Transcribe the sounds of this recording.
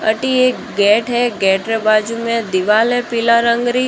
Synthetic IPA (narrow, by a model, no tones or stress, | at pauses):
ə̰ʈiekɡɛʈɦeɡɛʈɾebad͡ʒumẽd̪iʋalɛpɪlaɾəŋɡɾi